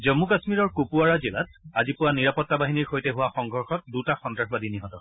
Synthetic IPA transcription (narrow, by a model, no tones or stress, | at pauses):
zɔmːukasmiɹɔɹkupuaɹazila̰t̚azipʊwaniɹapɔtːabaɦiniɹxojtɛɦʊwaxɔŋɡʱɔɹxɔt̚dutaxɔndɹaxbadiniɦɔtɔ